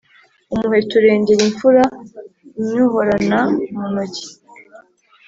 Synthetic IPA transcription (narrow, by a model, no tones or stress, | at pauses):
umuhetuɾe̞ːɲɟe̞ɾiɱfuɾa | ɲuhoɾanamunoɟi̥